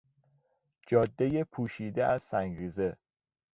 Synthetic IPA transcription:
d͡ʒɒːd̪ːejepʰuːʃiːd̪eæz̥sæŋɡɾiːze̞

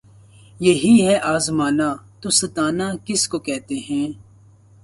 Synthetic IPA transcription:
jɐɦiɦɛʔaːzmaːnat̪osɐt̪aːnaːkɪskokɛɦt̪eɦɛ̃ː

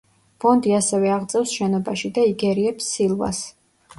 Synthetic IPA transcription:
b̥ɔnd̪iasɛvɛaʁd̪zʼɛfsʃɛnɔbaʃid̪aiɡɛɾiɛpsːilˠva̰s

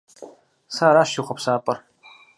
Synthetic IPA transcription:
saːɾaːʃiχʷɐpsaːpʼɐr

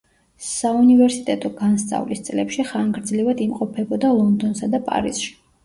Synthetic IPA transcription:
saunivɛɾsit̪ʼɛt̪ʼɔɡanst̪sʼa̰vlist̪sʼlɛpʃiχaŋɡɾd̪zlivad̪imqʼɔpʰɛbɔd̪alˠɔnd̪ɔnsad̪apʼa̰ɾḭz̥ʃi̥

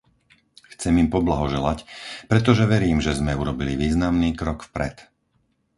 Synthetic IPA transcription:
xt͡sɛmimpɔblaɦɔʒɛlacpɾɛt̪ɔʒɛʋɛɾiːmʒɛzmɛuɾɔbiliʋiːznamniːkɾɔkfpɾɛ̰t̪

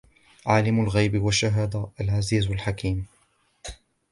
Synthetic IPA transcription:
ʕaːlɪmʊlɣajbɪwaʃːaɦaːd̪aʔalʕaziːzalħakiːm

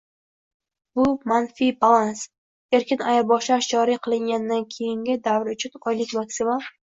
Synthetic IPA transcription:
bʊmanfibalˠans | eɾkʲɪnajaɾbɒʃlaʃd͡ʒɒɾiqʰɨlˠɪŋɡʲand̪ankʲʰe̞jɪŋɡʲɪd̪avɾʊt͡ʃʰʊnɒjlɪkʲmaksɪmam

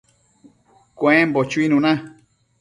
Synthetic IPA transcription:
kwẽmbot͡ʃuinũnã

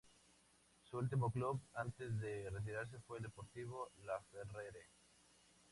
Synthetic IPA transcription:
suult̪̬imokluβant̪ezðeret̪̬iɾaɾs̬efweːld̪epoɾt̪iβ̞olafereɾe

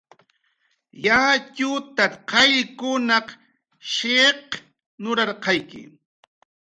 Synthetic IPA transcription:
jat͡ʃʊt̪aqɑʎkʊnɑq | ʃeq | nʊɾɑɾqɑjkɪ̰

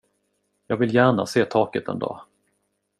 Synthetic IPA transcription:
jɑːɡvɪljæːɳaseːt̪ʰɑːkət̪ɛ̰nd̪ɑ̰ː

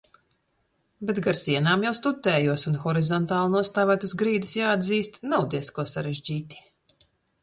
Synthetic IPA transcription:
bet̪ɡaɾsiɛnaːmjawst̪ut̪ːɛːjuɔsunxɔɾizɔnt̪aːlˠunuɔst̪aːvæt̪uzɡɾiːd̪isjaːad̪ziːst̪nawd̪iɛskuɔsaɾeʒd͡ʑiːt̪i̥

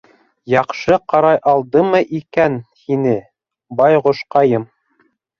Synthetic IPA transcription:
jɑqʃɤqɑɾɑjʔɑlˠd̪ɤmɤʔikænhinɘ | bɑjʁŏʃqɑjɤm

